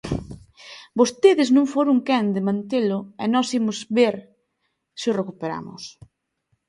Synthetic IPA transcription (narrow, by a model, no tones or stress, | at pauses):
bost̪eðɪznũŋfoɾʊŋkɛnd̪ɪmãnt̪elʊɛnɔsimʊzβeɾ | sɪʊrekupeɾa̰mʊ̰s